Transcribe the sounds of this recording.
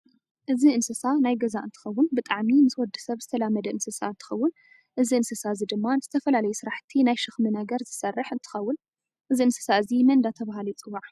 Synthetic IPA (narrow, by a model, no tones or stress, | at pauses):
ʔɨziʔɨnsɨsanajɡɐzaʔɨnt̪ʰɨ̥xɐwːʊnbɨt̪ʼaʕmimɨswɔd̪ːɨ̥sɐβzɨt̪ʰɐlamːɐd̪ɐʔɨnsɨsa̰ɨnt̪ʰɨ̥xɐwːʊn | ʔɨziɨnsɨsaɨzid̪ɨmːanz̥ɨt̪ʰɐfɐlalɐjusɨɾaħt̪ʰinajʃɨxmɨnɐɡɐɾzɨsɐrːɨħɨnt̪ʰɨ̥xɐwːʊn | ʔɨziɨnsɨ̥saɨzimɐnd̪at̪ʰɐβahalit͡sʼɨwaʕ